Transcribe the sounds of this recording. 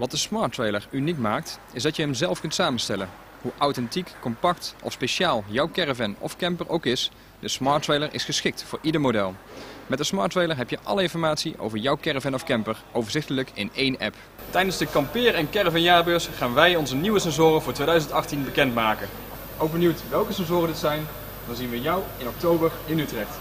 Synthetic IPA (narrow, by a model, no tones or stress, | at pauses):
ʋɑt̚dəsmɑːɹtʋejləɹynikmaːk̚t | ɪzdɑtjəɦɛmzɛlˠfkɵntsaːmənstɛlə̰n | ɦuʔawtɛntikːɔmpɑktʔɔ̰fspeʃaːlˠjʌwkɛrəvɛnɔ̰fkɛmpəɹʔowkɪs | dəsmɑːɹtʋejləɹɪ̰sχəsχɪk̚tfʊːɹʔidəɹmodɛlˠmɛtdəsmɑːɹtʋejləɹɦɛpjəʔɑ̰ləɪnfɔɹmaːtsiʔo̰wvəɹjʌwkɛɹəvɛnɔfkɛmpəɹʔowvəɹzɪxtələkɪ̰nejnɛ̰p | tɛjdənzdəkɑmpɪːrɛnkɛrəvɛnjaːbøsχaːnʋɛjɔnzəniwəsɛnzʊːrənvʊːɹtʋejdœɥzəntɑχtinbəkɛntmaːkən | owɡ̚bənywtʋɛlˠkəsɛnzʊːrəndɪtsɛjn | d̥ɑnzinʋəjɑwɪnɔk̚towbəɹɪnytrɛxt